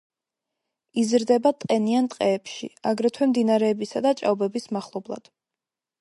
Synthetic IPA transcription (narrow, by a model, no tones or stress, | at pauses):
izɾd̪ɛbat̪ʼqʼɛniant̪ʼqʼɛːpʃḭaɡɾɛt̪ʰwɛmd̪inaɾɛːbisad̪at͡ʃʼa̰vbɛbismaχlˠɔblˠa̰d̪̥